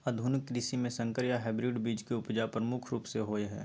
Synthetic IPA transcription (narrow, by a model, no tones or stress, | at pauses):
ɐd̪ʱʊnɪkːɾiːsimẽsɐ̃ŋkəɾjaɦɛːbɾɪɖbiːd͡ʒkeʊpd͡ʒapɾəmʊkʰɾuːpseɦoːeɦɛ̰ː